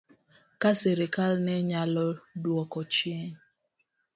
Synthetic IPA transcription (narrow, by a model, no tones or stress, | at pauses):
kaseɾekalneɲalɔduɔkɔt͡ʃie